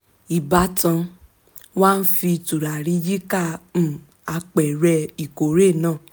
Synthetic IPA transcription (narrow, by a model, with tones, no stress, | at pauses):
i˨ba˧˦tã˧ | waː˦n̩˦fi˧tu˨ɾa˨ɾi˨˦d͡ʒi˦kã˦˨ | a˧k͡pɛ˨ɾɛ˧i˨ko˨ɾe˦˨nãː˦˨